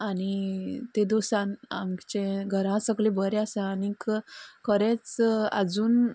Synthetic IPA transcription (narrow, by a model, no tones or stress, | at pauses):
aɽit̪ẽd̪osãna̰mt͡ɕẽɡʱəɾãsəɡlẽbəɾeasaanikkəɾet͡sa̰d͡zuːn